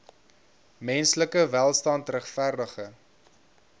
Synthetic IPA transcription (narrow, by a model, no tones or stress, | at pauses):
mɛnsləkəvælˠstɑntrəχfærdəχə